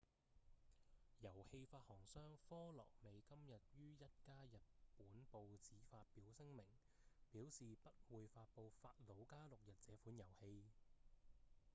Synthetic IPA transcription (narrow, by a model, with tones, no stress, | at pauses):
jɐ˨˩whe˧jfaː˧t̚hɔː˨˩ŋsœː˥ŋfɔː˥lɔ̰ː˨˩k̚me˨˧jkɐ˥mjɐ˨t̚jyː˥jɐ˥t̚kaː˥jɐ˨t̚puː˨˥npo˨˧wt͡siː˨˥faː˧t̚piː˨˥wsɪ˥ŋmɪ˨˩ŋ | piː˨˥wsiː˨pɐ˥t̚wuː˨˧jfaː˧t̚po˧wfaː˧t̚lo˨˧wkaː˥lʊ˨k̚jɐ˨t̚t͡sɛː˨˥fuː˨˥njɐ˨˩whe˧j